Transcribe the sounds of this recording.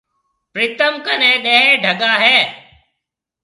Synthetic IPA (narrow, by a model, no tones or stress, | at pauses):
pɾiːt̪əmkənɛ̃ːɗẽɦẽːɖʱəɠaːɦeː